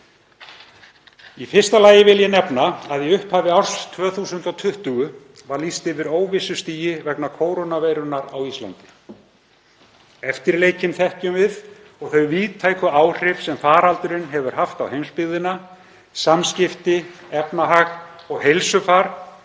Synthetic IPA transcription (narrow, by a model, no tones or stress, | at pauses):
ifɪr̥st̪alaːjɪvɪljɛnɛpnaaðjɛʏhphavɪawɾ̥st̪ʰvœːθuːsʏnt̪ɔt̪ʰʏht̪ʏɣʏ | vaɾlist̪ɪvɪɾoːwvɪsʏst̪iːjɪvɛknakʰoːwɾownaveːjɾʏnaɾawist̪la̰nt̪ɪ̥ | ɛft̪ɪɾleːjcɪnθɛhcʏmvɪð | ɔɣθœjviːt̪ʰaːjkʏaːwr̥ɪfsɛmfaːɾalt̪ʏɾɪnɦɛvʏɾ̥haft̪awhejmspɪðɪna | samscɪft̪ɪɛpnaɦaɣɔɣɦejlsʏfaɾ̥